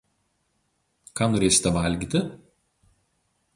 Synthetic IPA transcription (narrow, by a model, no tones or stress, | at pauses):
kɑːnoːɾʲeːsʲɪ̥t̪ʲɛʋɐˑlʲɡʲit̪ʲɪ